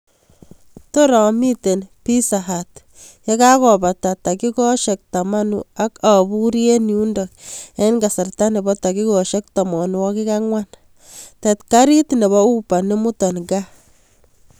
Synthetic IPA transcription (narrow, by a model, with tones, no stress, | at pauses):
to˦ɾɔ˨mi˦te˨npi˦saɦat | je˦ka˦kɔ˨ba˨ta˨ta˨ki˦kɔ˦ʃɛk̚tama˦nṵa˦ka˨bu˦ɾie˦nju˦ndɔk̚ja˦nɡa˨sa˨rta˦ne˨bɔ˦ta˨ki˦kɔʃe˦k̚ta˨mɔ˨nwɔ˦ki˦ka˦ŋwa˦n | tetka˦ɾi˦tne˨βɔ˦u˦pa˨ne˦mu˦tɔ˨nɡa˦